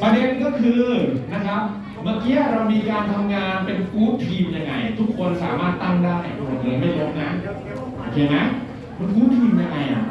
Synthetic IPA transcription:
pɾa˧de˧nkɔː˥˩kʰɯː˧na˦˥kʰa˦˥p̚ | ma˧˩ki˦˥ɐɾa˧wmiː˧kaː˧nt̪ʰa˧mŋaː˧npe˧nkuː˦˥tt̪ʰːiː˧mja˧ŋːa˧jt̪ʰu˦˥k̚ʰːo˧nsaː˨˩˦maː˥˩t̪ːa˥˩ŋdaː˥˩ja̰˨˩do˧˩˨eː˧˩ma˥˩lo˦˥p̚ŋa˦˥˩j | o˧˩kʰeː˧ŋa˦˥j | ma˧nkuː˦˥t̪ʰiː˧mja˧ŋːa˧jʔa̰˨˩ʔ

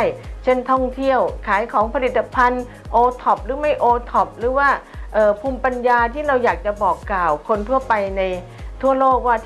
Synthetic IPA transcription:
jt͡ɕʰe˥˩nt̪ʰɔ˥˩ŋt̪ʰi˥˩əwkʰaː˩˦jkʰɔː˩˦ŋpʰa˧li˨˩t̪ːa˧pʰa˧n | ʔoː˧t̪ʰɔ˨˩p̚ɾɯː˩˦ma˥˩jʔoː˧t̪ʰɔ˨˩p̚ɾɯː˩˦waː˥˩ʔɤː˨˩pʰuː˧mpa˧njaː˧t̪ʰiː˥˩ɾa˧wjaː˨˩k̚t͡ɕa˨˩bɔː˨˩kːlaː˨˩wkʰo˧nt̪ʰu˥˩əpa˧jna˧j | t̪ʰu˥˩əloː˥˩k̚waː˥˩

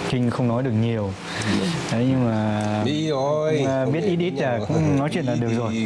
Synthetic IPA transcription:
kï˧ŋ̟xə˧wŋ͡mnɔ˨˦jɗɨ˨˩ək̚ɲi˨˩əw | ɗə˨˦jɲɨ˧ŋmaː˨˩˧ | ɓi˦˥ət̚ʔi˦˥t̚ʔi˦˥t̚laː˨˩kʊ̰˧˥˧ŋ͡mnɔ˨˦jt͡ɕwḭ˧ənlaː˨˩ɗɨ˨˩ək̚zo˨˩j

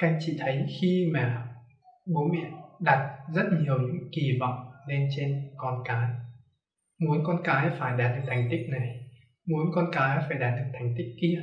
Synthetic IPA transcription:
ka˧jŋ̟t͡ɕḭ˧˨t̪ʰə˨˦jxi˧maː˨˩ | ɓu˨˦ənɓḭ˧˨ənɗa˨˩t̚zə˦˥t̚ɲi˨˩əwɲɨ̰˧˥ŋki˨˩vɔ̰˧˨wŋ͡mne˧nt͡ɕe˧nkɔ˧nkaː˨˦j | mu˨˦ənkɔ˧nkaː˨˦jfaː˧˩jɗaː˨˩t̚ɗɨ˨˩k̚t̪ʰa˨˩jŋ̟t̪ï˦˥k̚na˨˩j | mu˨˦ənkɔ˧nkaː˨˦jfaː˧˩jɗaː˨˦˩t̚ɗɨ˨˩k̚t̪ʰjŋ̟t̪ï˦˥k̚ːi˧

